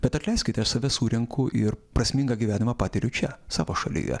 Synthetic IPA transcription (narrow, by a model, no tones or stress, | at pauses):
b̥ʲɛt̪ɐt̪ʲlʲɛɪsʲkʲɪt̪ʲɛɐʃsɐʋʲɛsuːɾʲɛŋkʰʊʔɪɾpɾɐsʲmʲɪŋɡɑɡʲiʋʲæːnʲɪmɑːpɑːt̪ʲɪɾʲʊt͡ʃʲɛsɑ̰ːʋoːʃɐlʲɪ̰jɛ̰